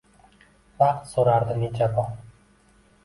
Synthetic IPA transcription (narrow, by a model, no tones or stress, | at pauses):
vaqt̪soɾaɾd̪ɪnet͡ʃʰabɒ